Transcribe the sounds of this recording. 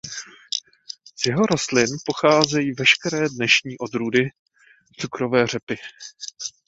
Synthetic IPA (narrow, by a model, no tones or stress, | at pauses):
z̥jɛɦo̞ɾo̞st̪lɪnpo̞xaːzɛjiːvɛʃkɛɾɛːdnɛʃɲiːʔo̞d̪ɾuːdɪ | t͡sukɾo̞vɛːr̝ɛpɪ